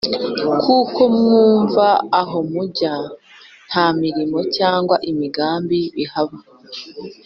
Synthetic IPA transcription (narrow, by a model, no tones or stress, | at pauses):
kʰuːko̞mŋuːɱvaːɦo̞muɟa | n̥hamiɾimo̞caːŋɡwaʔimiɡaːmbiβihaβa